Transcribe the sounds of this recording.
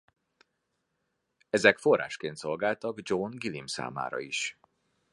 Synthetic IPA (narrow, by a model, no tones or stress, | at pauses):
ɛzɛkfo̞rːa̰ːʃkeːnt̪so̞lɡaːlt̪ɒɡd͡ʒonɡilimsa̰ːma̰ːɾɒ̰iʃ